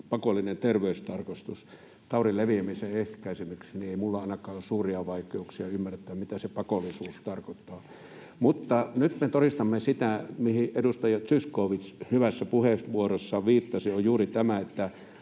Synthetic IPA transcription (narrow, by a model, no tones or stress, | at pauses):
pɑkolːinent̪erʋeˑyst̪ɑrkɑst̪us | t̪ɑˑurileʋiæmiseehkæˑisimyksinieˑimulːɑɑˑnɑkˑɑːossuːriɑʋɑˑikˑeuksiɑymːæret̪ːˑæːmmit̪æsepɑkolːˑisuːst̪ɑrkot̪ːˑɑː | mut̪ːɑnyt̪met̪oɾist̪ɑmːesit̪æmihiʔedust̪ɑjɑt̪syskˑoːʋishyʋæsːæpuheʋuorosːɑʋiːt̪ːɑsiojjuːrit̪æmæet̪ːæ